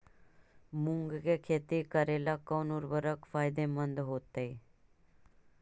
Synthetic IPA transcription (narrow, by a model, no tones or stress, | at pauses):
mʊ̃ŋɡkekʰeːt̪ikəɾeːlakəːnuɾbəɾəkfaːjd̪emənd̪ɦoːt̪ei